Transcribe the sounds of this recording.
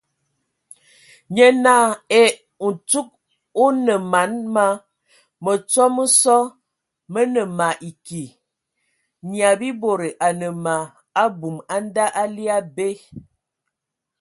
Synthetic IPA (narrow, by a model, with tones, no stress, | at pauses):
ɲə˦na˦e˦ | n̩˨tu˦k̚ | u˦nə˨ma˨˦nma˦ | mə˨t͡sɔ˦mə˦sɔ˦ | mə˦nə˨ma˨ʔi˨ki˨ | ɲi˨a˨bi˦bo˨ɾe˨ʔa˨nə˨ma˨ | a˦bu˨ma˦n˦da˦ʔa˦li˦a˦be˦